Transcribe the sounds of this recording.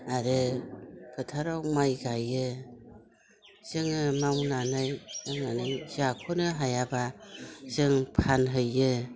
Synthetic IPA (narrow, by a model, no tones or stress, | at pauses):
aɾɯ | pʰɯtʰaɾawmajɡajːɯ | z̥ɯŋɯmawnanajaŋanɯzakʰɔnɯɦajabaz̥ɯŋpʰanɦɯjːɯ